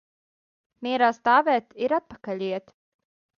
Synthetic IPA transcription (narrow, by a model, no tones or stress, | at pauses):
miɛɾaːst̪aːvɛːt̪iɾat̪̚pakaʎʲiɛt̪